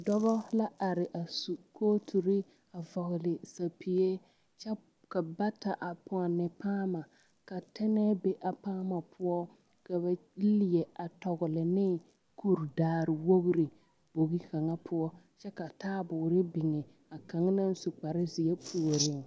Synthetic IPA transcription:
dɔ˦βɔ˦la˦ʔa˨ɾɪ˨ʔa˨su˨kʰoː˦tʰu˨ɾɪ˦ | a˨vɔ˨ɣʊ˨lɪ˨sa˨pʰi˨e˦ | t͡ʃɛ˦ | ka˨ba˦ta˨ʔa˨pʊ˨a˨nɪ˨paː˦ma˨ | ka˨tɛ˦nɛ˦be˦ʔa˨paː˦ma˨pʰʊ˦ɔ˦ | ka˨ba˨˦lɪ˨jɛ˨ʔa˨tɔ˨ɣʊ˨lɪ˨nɪ˦ | kʰu˦˨ɾdaː˨˦˨ɾɪ˨wo˦ɣʊ˦ɾi˨ | b̥o˨ɣi˦ka˨ŋa˦pʰʊ˦ɔ˦ | t͡ʃɛ˦ka˨taː˦bʊː˨ɾɪ˦bɪ˨ŋɛ˨ | a˨ka˨ŋ˦na˦n˦su˨k͡pa˨ɾɪ˦zɪ˨jɛ˦pʰu˦o˨ɾɪ˦ŋ

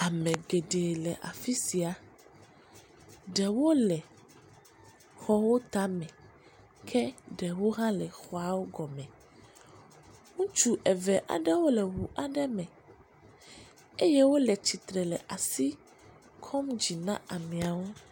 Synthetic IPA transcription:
a˨mɛ̃˨ɡe˨ɖe˨lɛ˨ʔa̰˨fi˦si˨a˨ | ɖɛ˨wo˦lɛ˨ | xɔ˦wo˦t̪a˦mɛ̃˨ | kʰɛ˦ɖɛ˨wo˦ɦã˦lɛ˨xɔ˦a˨wo˦ɡɔ˨mɛ̃˨ | ŋũ˦t͡ʃu˦ʔɛ˨vɛ˨ʔa̰˨ɖɛ˦wo˦lɛ˨ɦu˨ʔa˨ɖɛ˦mɛ̃˨ | e˦jɛ˦wo˦lɛ˨t͡ɕi˨t̪ɾɛ˨lɛ˨ʔa˨si˦ | kʰɔ˦md͡ʑi˨nã̰˦a˨mĩ˨a˨wo˦

